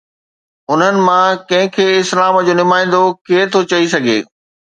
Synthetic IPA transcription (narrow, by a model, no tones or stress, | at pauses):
ʊn̤ənɪ̆mãkɐ̃ɦɪ̃kʰeːɪslaːmd͡ʑoːnʊmaːɪ̃n̆d̪okeɦt̪ʰot͡ɕɐisɐɡʱḛː